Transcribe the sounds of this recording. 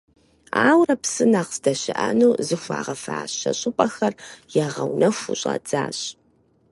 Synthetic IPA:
aːwrɐpsɨnaːqsdɐɕɪʔɐnuːzɨxʷa̰ːʁɐfaːɕɐɕʼʊpʼɐxɐrjɛʁɐwnɐfʷuɕʼɐ̰t͡sʼaːɕʼ

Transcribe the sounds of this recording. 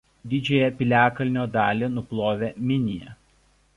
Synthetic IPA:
d̪ʲɪd͡ʒʲɛjɛpʲɪlʲæːkɐlʲnʲoːd̪ɑːlʲenʊplˠoːʋʲeːmʲɪnʲɪjɛ

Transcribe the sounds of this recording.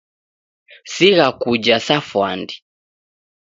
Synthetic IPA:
siɣakud͡ʒasafwandi

